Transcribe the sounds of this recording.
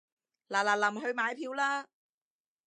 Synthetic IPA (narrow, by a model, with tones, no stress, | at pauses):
laː˨˩laː˨˩lɐ˨˩mɦɵ˧ɥmaː˨˧jpʰiː˧wlaː˥